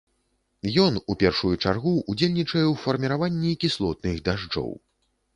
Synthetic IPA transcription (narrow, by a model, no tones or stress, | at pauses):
jɔnupʲɛrʂujut͡ʂarɣuːd͡zʲelʲnʲit͡ʂɐjɛwfɐrmʲiɾavanʲːikʲislˠɔt̪nɨɣd̪aʐd͡ʐɔ̰w